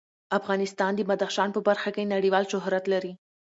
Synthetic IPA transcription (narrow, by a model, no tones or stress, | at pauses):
afɣɑnɪst̪ɑnd̪əmad̪axʃɑnpəbaɾxakenaɽiwɑlʃʊɦɾat̪laɾi